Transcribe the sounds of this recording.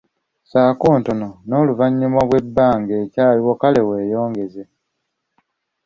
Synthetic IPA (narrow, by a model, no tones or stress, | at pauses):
saːkoːntonono̞ːluvaɲːumaβwe̞bːaːŋɡe̞ːcaːliwokale̞we̞ːjo̞ːŋɡe̞ze